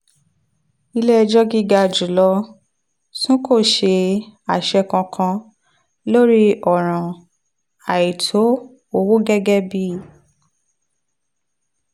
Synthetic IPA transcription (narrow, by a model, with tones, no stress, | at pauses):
i˧le˦ɛ˧d͡ʒɔ˦ɡi˦ɡa˧˨d͡ʒu˨lɔ˧ | sũ˦ko˦˨ʃe˧a˨ʃɛ˧kã˧kʰã˧ | lo˦ɾi˦ɔ˨ɾ̃ã˨ | a˨ji˨tʰo˨˦ | o˧wo˦ɡɛ˦ɡɛ˦bi˦